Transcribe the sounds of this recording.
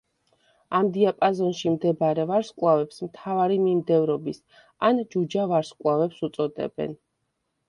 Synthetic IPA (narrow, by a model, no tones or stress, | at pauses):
amd̪iapʼazɔnʃimd̪ɛbaɾɛvaɾskʼwavɛpsmt̪ʰavaɾimimd̪ɛvɾɔbis | and͡ʒud͡ʒavaɾskʼwˠavɛpsut̪sʼɔd̪ɛ̰bɛ̰n